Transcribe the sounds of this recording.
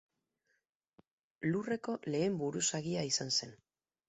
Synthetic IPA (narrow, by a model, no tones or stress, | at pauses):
lure̞ko̞le̞ːmbuɾusaɣiaisanse̞n